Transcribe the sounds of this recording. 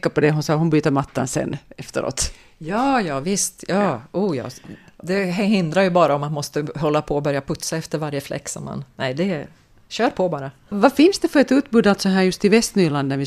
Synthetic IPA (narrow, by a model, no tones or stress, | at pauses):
kːapɔd̪ɛɦʊnsɑːɦʊnbyːt̪əɾmat̪ʰːa̰nsɛ̰nːɛft̪əɾo̰ːt̪ | jɑːjɑːvɪst̪jɑːuːjɑ̰ːd̪ɛɦɦɪnd̪ɾaɾjɵbɑːɾaɔmat̪mɔst̪əɦɔlːapʰɔːbœɾjapʰɵt̪saɛft̪əɾvaɾjəflɛ̰kːsɔ̰ma̰nnɛɪd̪ɛ | ɕøːɾpʰɔbɑːɾa | vafɪnsd̪ɛfœɾɛt̪ʉ̟ːt̪bʉːd̪alt̪sɔɦæːɾjɵst̪ɪvɛst̪nyːɭand̪næɾʋɪ